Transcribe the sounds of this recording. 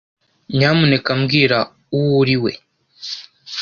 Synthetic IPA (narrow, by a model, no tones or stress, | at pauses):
ɲaːmune̞kamɡiːɾa | uwuɾiwe̞̰